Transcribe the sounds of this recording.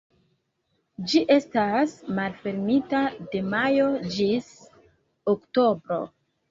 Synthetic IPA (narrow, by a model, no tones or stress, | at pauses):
d͡ʒiʔe̞stasmalfe̞ɾmitade̞majo̞d͡ʒis | okto̞bɾo̞̰